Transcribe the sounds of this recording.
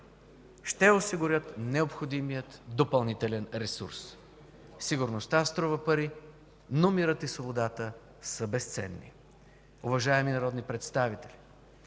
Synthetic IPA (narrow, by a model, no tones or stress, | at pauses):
ʃt̪ɛosiɡʊɾʲət̪nɛopxod̪imijət̪d̪opɐlˠnit̪ɛlɛnɾɛsṵɾs | siɡʊɾnost̪ast̪ɾɔvəpɐɾi | nomiɾət̪isvobod̪at̪ə | səbɛst̪sɛ̰nːḭ | ovɐʒaɛminɐɾɔd̪nipɾɛt̪st̪avit̪ɛlʲi